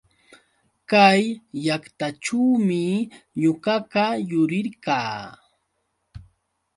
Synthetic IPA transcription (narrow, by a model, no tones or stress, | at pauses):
kajːakt̪at͡ʃuːmɪɲʊɢɑkajʊɾɪɾkaː